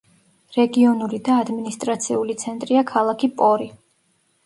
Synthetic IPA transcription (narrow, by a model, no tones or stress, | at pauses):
ɾɛɡiɔnuɾid̪aːd̪minist̪ʼɾat̪sʰiulit̪sʰɛnt̪ʼɾiakʰalˠakʰipʼɔɾi